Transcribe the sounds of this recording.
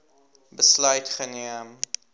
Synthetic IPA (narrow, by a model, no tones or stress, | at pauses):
bəslœɥtχəniəm